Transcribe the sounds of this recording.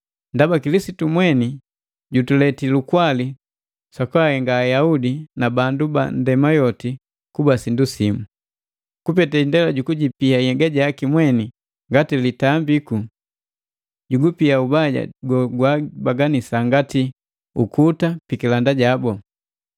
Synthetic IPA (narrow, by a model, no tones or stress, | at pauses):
ndabakilisitumwɛni | ɟutulɛtilukwali | sakwahɛŋɡaːjaudinabanduba̰ndɛmajɔti | kubasindusimu | kupɛtaindɛlaɟukuɟipiajɛɡaɟakimwɛni | ŋɡatilitambiku | ɟuɡupiaubaɟa̰ɡɔɡwabaɡanisaŋɡati | ukʰutapikilandaɟabɔ